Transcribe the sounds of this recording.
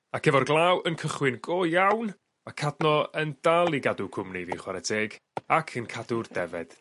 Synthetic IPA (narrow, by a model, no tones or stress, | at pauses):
akʰɛvɔrɡlˠawənkʰəχwɪnɡoːjawn | makʰadnɔəndalˠiɡadʊkʰʊmniviːχwaɾɛdʰeːɡ | akʰənkʰadʊrdɛvɛ̰d̥